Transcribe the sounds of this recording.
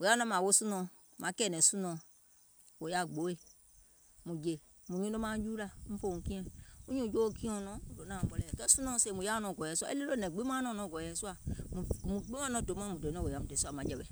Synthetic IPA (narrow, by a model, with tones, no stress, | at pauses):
wo˨ja˦nɔ̃˦mã˨wo˦sũ˦nɔ̃˨ | mã˨˦kɛː˦˨nɛ̃˨˦sũ˦nɔ̃˨ | wo˨ja˦˨ɡ͡bo˨˦e˦˨ | mũ˨d͡ʒe˨ | mũ˨ɲũ˦do˦mã˦d͡ʒu˦la˦˨m̩̃˦fo˦˨ũ˨˦kĩ˦ɛ̃˦u˦ɲũ˦˨d͡ʒo˦kĩ˦ɔ̃˧˨nɔ̃˨˦do˨˦nãː˨m̩˨˦ɓɔ˧lɛː˨kɛ˦sũ˦nɔ̃˦se˦˨mũ˨ja˦nɔ̃˨ɡɔ˨ɛ˨su˦a̰˦˨e˦le˦lo˦nɛ̃˨ɡ͡be˦mã˦nɔ̃˧˦˨nɔ̃˨˦˨ɡɔ˨ɛ˨˦su˦a˨mũ˨mũ˨ɡ͡be˦mã˦nɔ̃˨˦do˨˦mɔ̃˦mũ˨do˨˦nɔ̃˦˨wo˨ja˨˦mũ˨dɛ˨su˦a˨mã˨˦d͡ʒɛ˨bɛ˨